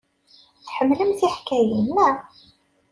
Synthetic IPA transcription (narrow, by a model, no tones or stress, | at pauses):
θħəmːləmθiħkæjənːæ